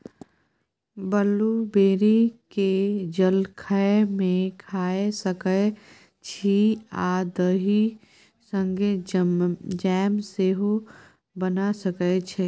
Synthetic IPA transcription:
bəlubeːɾiked͡ʒəlkʰəemẽkʰaːesəkə | t͡ʃʰiad̪əɦi | sə̃ŋɡe | d͡ʒɛːmseːɦo | bənasəkət͡ʃʰe

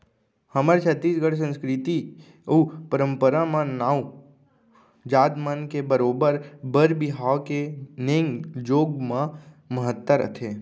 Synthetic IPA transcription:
həməɾt͡ʃʰət̪ːiːsɡəɽsə̃nskɾɪt̪i | uːpəɾə̃mpəɾamãnaːu | d͡ʒaːd̪mənkebəɾoːbəɾbəɾbɪɦaːwkeneːŋd͡ʒoːɡmã | məɦət̪ːəɾə̰t̪ʰeː

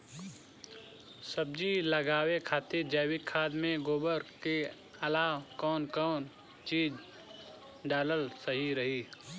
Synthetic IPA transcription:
səb̚d͡ʒiləɡaːwekʰaːt̪iɾd͡ʒaːwɪkʰaːd̪mẽɡoːbəɾke | ɐlaːwkɔːnkɔːn | t͡ʃiːd͡ʒ | ɖaːləlsəɦiɾɐɦiː

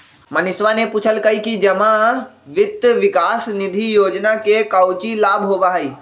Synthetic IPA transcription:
mɐnɪsʋanepuːt͡ʃʰəlkɐikid͡ʒɐmãʋɪt̪əʋɪkaːsnɪd̪ʱijoːd͡ʒnakekawt͡ʃilaːbʱɦoːɡaɦəiː

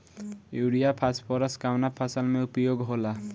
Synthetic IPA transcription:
juɽijapʰaspʰɔɾʌskawnapʰasalmeupjoɡɦola

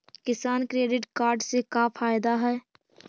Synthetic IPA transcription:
kɪsaːnkɾeːɖɪʈkaːɾɖsekafʰaːjd̪aɦɛː

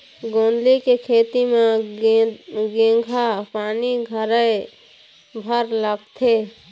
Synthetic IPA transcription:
ɡõːnd̪likekʰeːt̪ime | ɡẽːɡʱapaːniɡʱəɾəɪ | bʱəɾləɡt̪ʰe

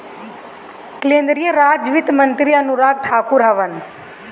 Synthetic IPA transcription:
klẽːnd̪ɾijəɾaːd͡ʒʋɪt̪mɐnt̪ɾiɐnuɾaːɡ̚ʈʰaːkʊɾɦɐʋən

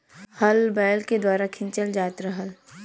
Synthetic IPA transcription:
hɐlbɛːlked̪waːɾakʰɪ̃nt͡ʃəld͡ʒaːt̪ɾəɦəl

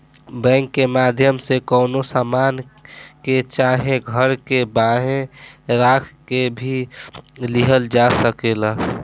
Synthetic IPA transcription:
bɛ̃ːŋkːemaːd̪ʱjəmsekɔːnosaːmaːnket͡ʃaɦẽɡʱəɾkebaɦẽɾaːkʰkebʱi | liɦəld͡ʒasəkela

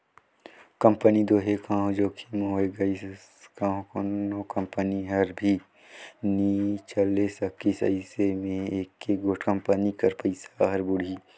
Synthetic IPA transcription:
kɐ̃mpənid̪oːɦekãːɦõd͡ʒoːkʰimoːeɡɐi | kãːɦõkonokɐ̃mpəniɦɐɾbʱi | nit͡ʃɐlesɐkːisɐ̰ɪsemẽeːkːeɡoːʈʰkə̃mpənikɐɾpɐɪsaɦɐɾbʊɽ̤ʱiː

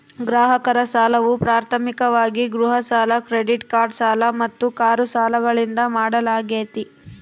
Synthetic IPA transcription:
ɡɾaːɦɐkɐɾɐsaːlɐʋupɾaːɾt̪ʰɐmikɐʋaːɡiɡɾuɦɐsaːlɐkɾeɖiʈkaːɾɖsaːlɐmɐt̪ːukaːɾusaːlɐɡɐɭind̪ɐmaːɽɐlaːɡeːt̪i

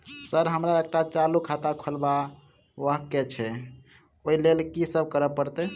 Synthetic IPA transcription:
səɾɦəmɾaek̚ʈat͡ʃalukʰat̪akʰəlba | ʋəɦket͡ʃʰɛ | oilelkisəb̚ʱkəɾəpːəɾt̪ɛ

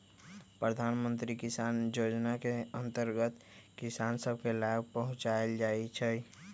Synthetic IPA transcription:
pɾəd̪ʱaːnmə̃nt̪ɾikisaːnjoːd͡ʒnakeə̃nt̪əɾɡət̪kisansəb̚ʱkelaɡ̚pəɦʊ̃t͡ʃaeld͡ʒaːit͡ʃʰɛ

